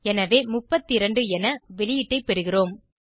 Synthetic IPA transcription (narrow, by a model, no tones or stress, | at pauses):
ɛnɐʋeːmʊpːɐt̪ːiɪɾɐɳɖɯɛnɐʋɛɭɪjɪʈːɐɪpɛɾɯɣɪroːm